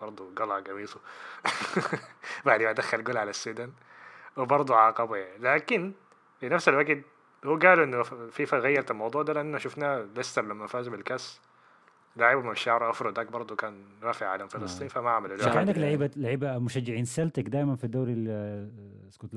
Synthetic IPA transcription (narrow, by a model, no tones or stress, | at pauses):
b̥ɑɾˤd̪ˤuɡɑlɑɡawiːsˤu | baʕd̪imad̪axːalɡʊlʕalasːuːd̪an | wɪbɑɾˤd̪ˤuʕaːqɑblaːkɪn | finafsalwaɡt̪ | huːɡaːluʔɪnːʊfifaɣajːɑɾˤt̪almɑwd̪ˤuːʕd̪aːlaʔɪnːaʃʊfnaːlɪst̪ɑɾˤlamːanfaːzɪmɪlkas | laʕiːbamɪnɪʃːaʕɾˤʔɑfɾˤɑd̪aːkbɑɾˤd̪ˤukaːnɾˤaːfɪʕʕalamfɪlɑsˤt̪ˤiːnfamaʔaʕmalulkand̪aklaʕiːbalaʕiːbamʊʃad͡ʒːɪʕiːnsalt̪akd̪aːjmanfid̪ːawɾa | skot̪l